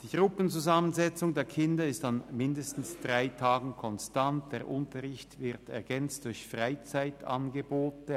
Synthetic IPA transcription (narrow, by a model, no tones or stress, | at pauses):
d̥iːɡ̥ʁʊpn̩t͡suzamənzɛt͡sʊŋdeːɐkʰɪndɐɪstanmɪndəstn̩sd̥ʁaɪtʰaːɡn̩kʰɔnstant̚d̥eːɐʁʔʊntɐʁɪçtvɪʁtɛ̰ɐɡɛnt͡std̥ʊɐçfʁaɪt͡saɪta̰nɡəboːtə